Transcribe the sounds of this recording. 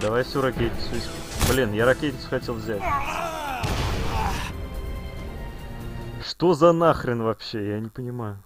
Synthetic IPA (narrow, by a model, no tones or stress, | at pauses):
d̪ɐvajʲsʲoɾɐkʲetʲnʲɪ̥sʊesʲ | blʲinjaɾɐkʲetʲnʲɪt̪sʊ̥xɐtʲe̞lˠvzʲætʲ | ʂt̪o̞zɐnaxɾʲɪnvɐpɕːe̞janʲɪpənʲɪmajʊ